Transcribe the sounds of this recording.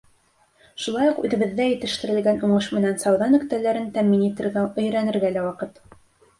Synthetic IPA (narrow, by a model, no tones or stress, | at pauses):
ʃulˠɑjuqʉ̰ðɘ̆βɘ̆ðːæjɘ̆t̪ɘ̆ʃt̪ɘ̆ɾɘ̆lɡænuɴɤʃmɘ̆nænsɑwðɑnɵ̆kt̪ælæɾɘnt̪æmːinit̪ɘ̆ɾɡæɵ̆jɾænɘ̆ɾɡælæwɑqɤt̪